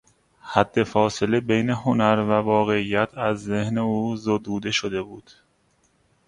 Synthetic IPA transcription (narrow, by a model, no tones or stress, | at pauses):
hæd̪̥ːe̞fɒːse̞le̞bejne̞ɦho̞næɾvævɒːɣe̞ijːæt̪ʰæzːe̞hne̞uːzod̪uːd̪e̞ʃod̪e̞buːd̪̥